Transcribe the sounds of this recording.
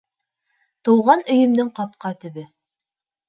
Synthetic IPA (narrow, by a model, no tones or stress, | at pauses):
t̪ɤ̆wʁɑnɵ̆jɘ̆md̪ɘŋqɑp̚qɑt̪ɵ̆βɘ